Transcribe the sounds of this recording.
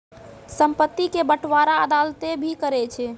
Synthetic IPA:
səmpət̪ːikebəʈʰʋaɾaəd̪alt̪ebʱikəɾɛt͡ʃʰɛ

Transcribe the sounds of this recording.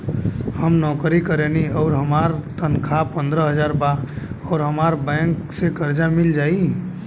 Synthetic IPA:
həmnɔːkɾikəɾeːniɔːɾɦəmaːɾt̪ənkʰapə̃nd̪ɾəɦəd͡ʒaːɾbaɔːɾɦəmaːɾbɛ̃ːŋksekəɾd͡ʒamɪld͡ʒaːi

